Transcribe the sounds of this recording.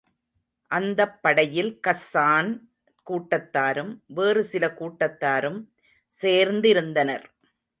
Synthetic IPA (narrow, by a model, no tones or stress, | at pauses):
ʔɐnd̪ɐpːɐɽɐjɪlkɐsːaːn | kuːʈːɐt̪ːaːɾɯmʋeːrɯsɪlɐkuːʈːɐt̪ːaːɾɯm | seːɾnd̪ɪɾɯnd̪ɐnɐɾ